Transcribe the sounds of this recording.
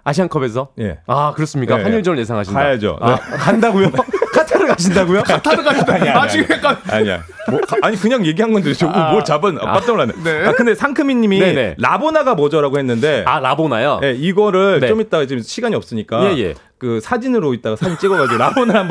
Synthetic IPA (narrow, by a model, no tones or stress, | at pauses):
aɕ̬ʰiaŋkʰʌbe̞s̬ʰʌje̞̰akɯɾʌs͈ɯmɲik͈aaɲiɭd͡ʑʌmɯɭje̞s̬ʰaŋɦaɕʰinkaajad͡ʑo̰nekandaɡojokʰatʰaɾɯɭkaɕʰindaɡojokatʰaɾɯɭkaɕʰindaɲt͡ɕiɡɯkaa̰ɲia̰ | kaɲikɯɲaŋje̞ɡiɦanɡʌndɯɾit͡ɕoɡomʌt͡ɕabɯna̰kapt͡ɕ͈ʌŋɭaneneakɯnde̞sʰaŋkʰɯmiɲːiminɾabonaɡamʌd͡ʑʌɾaɡohe̞nːɯnde̞aɾabonajoje̞iɡʌɾɯɭnet͡ɕomit̚t͈aɡad͡ʑeɕʰiɡaɲiʌp̚s͈ɯɲik͈ajejḛ | kɯsʰad͡ʑinɯɾoit̚t͈aɡasʰad͡ʑint͡ɕ͈eɡʌɡad͡ʑiɡoɾabonaɾhamb